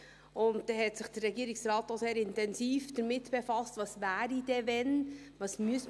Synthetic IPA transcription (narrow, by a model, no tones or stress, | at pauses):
ʊnt̚d̥ɛɦɛtsɪχd̥ərːɛɡiəɾiksɾɑːtːoseːɾɪntɛnsiːfd̥əɾmɪtb̥efɑstvɑsvæːɾid̥ɛvɛnʋɑːsmyəs